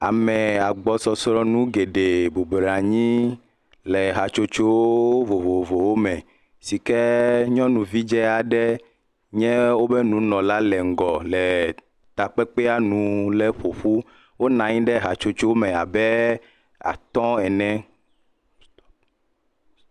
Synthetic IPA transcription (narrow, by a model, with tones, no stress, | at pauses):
a˨mɛ˨a˨ɡ͡bɔ˨sɔ˨sɾɔ˦nũ˦ɡe˨ɖe˨bo˨bɾa˨ɲĩ˦ | lɛ˨ɦa˨t͡ʃo˦t͡ʃo˦wo˦vo˨vo˨vo˨wo˦mɛ̃˨ | si˨kɛ˦ɲɔ̃˦nũ˨vi˦d͡ʒɛ˦a˨ɖɛ˦ | ɲɛ̃˦wo˦bɛ˦nũ˨nɔ̃˨la˦lɛ˨ŋ̩˨ɡɔ˨lɛ˨ | t̪a˨k͡pɛ˦k͡pɛ˦a˦nũ˨lɛ˦ɸo˨ɸu˦ | wo˦nã˨ɲĩ˦ɖɛ˦ɦa˨t͡ʃo˦t͡ʃo˦wo˦mɛ̃˨a˨bɛ˦ | a̰˨t̪ɔ̃˦ɛ˨nɛ̃˦